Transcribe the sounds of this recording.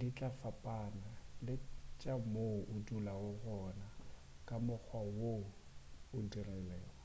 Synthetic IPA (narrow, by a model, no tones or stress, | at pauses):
dit͡ɬʼafapʼanalɪt͡ʃʼamoʔʊdulawʊɣɔna | kʼamʊk͡xʰwawo | ʊdirɛlɛːwa